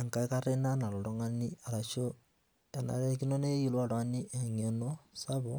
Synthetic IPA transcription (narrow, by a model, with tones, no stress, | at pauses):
a˨ŋka˨i˦ka˦ɾe˦na˦na˨lo˨ɾo˦ŋa˦ni˦a˨ɾa˨ʃo˦ | ta˨na̰˨ɾe˦ki˦no˦ne˦ji˦lwa˦˨ɾwa˦ni˦ʔe˨ɲe˨no˦sa˦βo˦